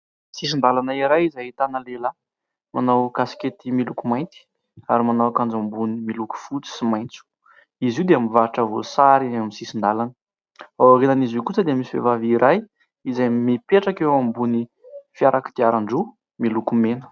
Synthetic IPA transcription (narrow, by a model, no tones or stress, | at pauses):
sis̬ind̪alanaiɾajizait̪anəlela | manawkasi̥ket̪imilukumajnt̪i̥ | aɾimanawkand͡zambunimiluku̥fut͡si̥simajnt͡su̥ | iziuwd̪eamivaʈ͡ʂəvo̰saɾieamisisind̪alanə̥ | awarinanizukut͡səd̪emisivḛvaviɾaj | izajmipeʈ͡ʂakeambuni | fiaɾʔaki̥d̪̥iaɾaɳɖ͡ʐu | milukumenə̥